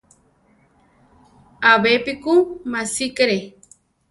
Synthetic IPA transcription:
aβepikumasikɾe

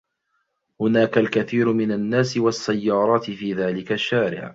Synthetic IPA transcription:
hʊnaːkalkaθiːɾmɪnanːaːsɪwasːajːɑːɾˤɑːt̪ɪfiːðaːlɪkaʃːaːɾɪ̰ʕ

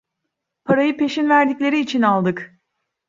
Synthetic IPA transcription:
pʰaɾajɯpe̞ʃinvæɾd̪iclʲe̞ɾiːt͡ʃʰinalˠd̪ɯk

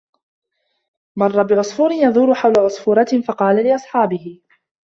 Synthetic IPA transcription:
mɑrˤːɑbɪʕʊsˤfuːɾɪnjɑðˤuːɾʊħawlaʕʊsˤfuːɾˤɑt̪fɑqɑːlalɪʔɑsˤħɑːbɪhɪ

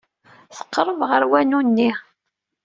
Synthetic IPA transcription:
θə̥qːɾˤəvʁəɾwænunːi

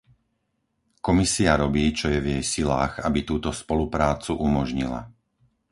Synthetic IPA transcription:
kɔmisiaɾɔbiːt͡ʃɔjɛvjɛjsilaːɣabit̪uːt̪ɔspɔlupɾaːt͡suʔumɔʒɲila̰

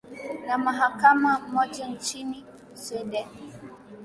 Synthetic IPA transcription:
namaɦakamamɔd͡ʒant͡ʃini | swɛɗɛn

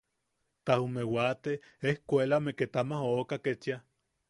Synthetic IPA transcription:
t̪ahumewat̪e | ehkʷelameket̪amahoːkaket͡ʃja

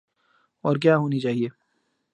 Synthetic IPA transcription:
ɔːɾk̬jaːɦoːnit͡ʃaːɦieː

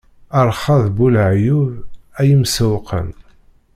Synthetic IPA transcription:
əɾˤχɑðbulʕjuvæjəmsəwqʰə̰n

